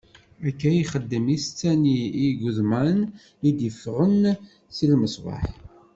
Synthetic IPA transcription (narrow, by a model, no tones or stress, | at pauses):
ækːæjiχəd̪ːəmist͡sːæniiɡʊðmæn | id̪əfʁən | silməsʁɑ̰ħ